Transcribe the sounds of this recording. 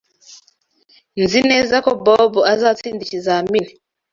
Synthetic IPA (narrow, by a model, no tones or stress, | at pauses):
nzinɛzakɔbɔbɔazat͡sindiʃizamini